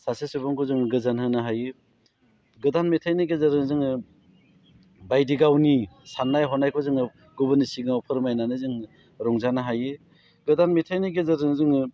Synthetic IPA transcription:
sasesɯbɯŋkʰɔzɯŋɡɯzanhɯnɯɦajɯ | ɡɯdanmetʰajniɡezɯɾɯŋzɯŋ | bajdiɡawnisanːajɦɔnajkʰɔzɯŋɯ | ɡubɯnisiɡnawpʰɯɾmajnanɯzɯŋ | ɾɔŋzanaɦajɯ | ɡɯdanmetʰajniɡezɯɾɯŋzɯŋ

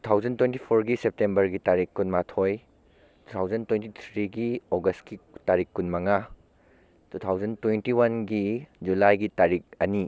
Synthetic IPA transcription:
ttu̥tʰawd͡ʒɐntwentipʰoɾɡisep̚tembɐɾɡitaɾikːunmatʰoj | tutʰawzɐntwentit̪ʰɾiɡioɡɐstkitaɾikːunmɐŋa | tutʰawd͡ʒɐntwentiwɐnɡid͡ʒulajɡitaɾik̚ɐni

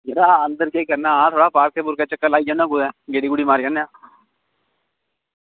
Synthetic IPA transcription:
ɡeɾaɐ̃nd̪əɾkeikɐɾnaat̪ʰoːɽapaːɾk̚ebʊɾkat͡ʃɐkːəlaːid͡ʒanãkud̪ɛ̃ːɡeːɽiɡʊɽimaːɾjaːnjãː

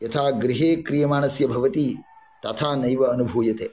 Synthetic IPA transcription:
jɐt̪ʰaːɡɾiɦeːkɾijɐmaːnɐsjɐbʱɐʋɐt̪i | t̪ɐt̪ʰaːnɐjʋɐːnubʱuːjɐt̪eː

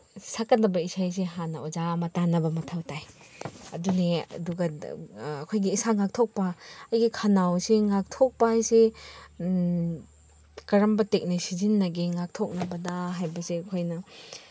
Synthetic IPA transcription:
sakɐdɐbɐisajs̬eɦanɐod͡ʒamɐtanɐbɐmɐtʰawtaj | ɐdunḛduɡɐ | ɐkʰojɡiːsaŋak̚tʰok̚pɐɐjɡikʰanawseŋak̚tʰok̚pajse | kɐɾɐmbɐtek̚nisizinːɐɡiŋak̚tʰok̚nɐbɐdɐɦajbɐseɐkʰojnɐ

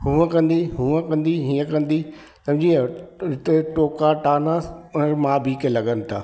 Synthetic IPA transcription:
hũːə̃kɐ̃nd̪iɦũːə̃kɐ̃nd̪iɦiːə̃kɐ̃nd̪i | tɐbd͡ʑiɦɪt̪eʈoːkaʈaːnãmãːbʱiːkelɐɡənɪ̆t̪ʰaː

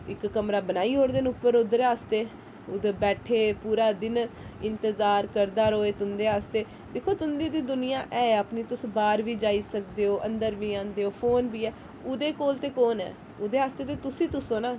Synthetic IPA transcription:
ɪkːəmɾaːbənaːiːɦoːɾd̪enʊpːəɾʊd̪əɾaːst̪eː | ʊd̪bɛːʈʰeːpuːɾaːd̪ɪnɪnt̪əzaːɾkəɾd̪aːɾoːeːt̪ʊnd̪eːɦaːst̪eː | d̪ɪkʰoːt̪ʊnd̪iːd̪iːd̪ʊnɪjãːʔɛːapniːt̪ʊsbaːɾʋiːd͡ʒaːiːsək̚d̪eːoːʔə̰̃nd̪əɾʋiːãːnd̪eːɦoːpʰoːnbiːɛː | ʊd̪eːkoːlt̪eːkoːnɛ̰ː | ʊd̪eːɦaːst̪eːt̪eːt̪ʊsĩːt̪ʊsõːnaː

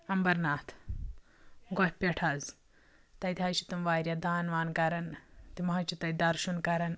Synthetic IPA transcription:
ɐmbɐɾnaːt̪ʰ | ɡohʲpʲeʈʰɐz | t̪ɐjt̪ʰʲajt͡ʃʰi̥t̪umʋaːɾʲjɐd̪aːnʋaːnkɐɾɐnt̪imɦɐt͡ʃit̪ɐjd̪ɐɾʃunkɐɾɐn

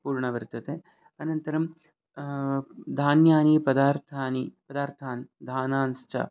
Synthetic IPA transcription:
puːɾɳɐʋɐɾt̪ɐt̪e | ɐnɐnt̪ɐɾɐm | d̪ʱaːnjaːniːpɐd̪aːɾt̪ʰaːnipɐd̪aːɾt̪ʰaːnd̪ʱaːnaːnst͡ʃʰɐ̰

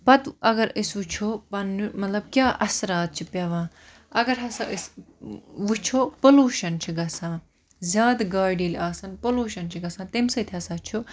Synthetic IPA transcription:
pɐt̪ɐɡɐɾəsʋut͡ʃʰoːpɐnmɐt̪lɐb̚kʲjaːʔɐsɾaːt̪̚t͡ʃʰipʲɐʋãː | ɐɡɐɾɦɐsaʔəs | ʋut͡ʃʰoːpoluːʃɐnt͡ʃʰiɡɐsãː | zʲjaːd̪ɡaːɖiːlaːsɐnpoluːʃɐnt͡ʃʰiɡɐsãːt̪emsɐt̪ʰʲɦɐsaːt͡ʃʰo

